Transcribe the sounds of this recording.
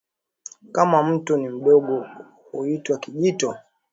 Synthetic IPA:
kamam̩tunim̩ɗɔɡɔ | uitwakiʄitɔ

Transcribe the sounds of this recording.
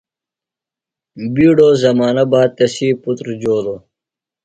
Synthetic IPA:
biːɽoːzɐmaːnɐbaːd̪̚t̪esiːput̪ɾd͡ʑoːlo

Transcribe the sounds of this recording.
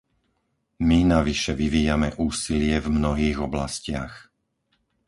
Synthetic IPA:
minaʋiʃɛʋiʋiːjamɛʔuːsilɪɛvmnɔɦiːɣɔblascɪa̰x

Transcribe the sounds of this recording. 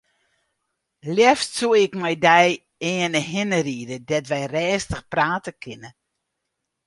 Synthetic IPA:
ljɛftsuəɪkmɛjdɛj | ɛːənəɦɪnəriədədɛtʋɛjrɛːstəxpraːtəkʰɪnə

